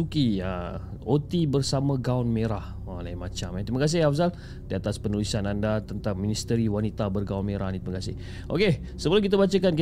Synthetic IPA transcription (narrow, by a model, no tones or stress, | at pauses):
ukiə | ot̪ibərsamə̃ɡaʊnmeɾah | əlaimat͡ʃamɛ̃t̪ɾiməkas̬ɪhafs̬al | diat̪aspənulisanandat̪ənt̪aŋmĩnist̪əɾiwanit̪abərɡaunmeɾahnt̪iməkasɪh | ʔo̰ke | səbəlukit̪abat͡ʃəkank